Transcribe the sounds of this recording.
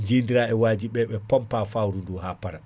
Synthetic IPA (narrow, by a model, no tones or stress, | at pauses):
nd͡ʒiːndiɾaɛwaːd͡ʒiɓɛɓɛpɔmpafawɾunduhaːpaɾa